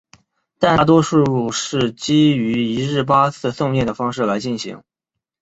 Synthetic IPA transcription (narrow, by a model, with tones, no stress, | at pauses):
t̪a˥˩n˥˩t̪̬wɔ˥ʂu˥˧ɻu˥˧ʂɻ̩˥˩t͡ɕi˥y˧˥i˧˥ɻɻ̩˥˩p̬a˥t͡sʰɹ̩˥˧sʊ˥˧ŋmjɛ˥˩nd̪ə˩fɑ˥ŋʂɻ̩˥˩la˧˥ɪt͡ɕi˥˩nɕḭ˧˥ŋ